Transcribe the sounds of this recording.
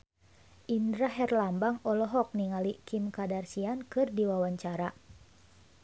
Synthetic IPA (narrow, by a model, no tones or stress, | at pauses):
ʔindɾaɦɛrlambaŋɔlɔɦɔk̚niŋalikimkadarsiankɨrdiwawaɲt͡ʃaɾa